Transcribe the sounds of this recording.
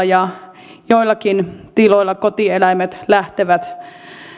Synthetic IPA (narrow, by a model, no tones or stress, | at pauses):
jɑ | joilːˑɑkint̪iloilːɑkot̪ielæmet̪læht̪eʋæt̪